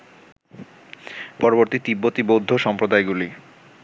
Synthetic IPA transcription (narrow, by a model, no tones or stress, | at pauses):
pɔɾoboɾt̪it̪ibːot̪ibod̪ʱːoʃɔmpɾod̪aeɡuli